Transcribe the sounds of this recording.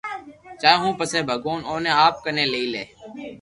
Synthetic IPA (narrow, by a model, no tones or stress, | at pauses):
t͡ʃaːeːɦũːpəsẽːbʱəɡoːnoːnẽːaːp̚kənẽːleiːlḛː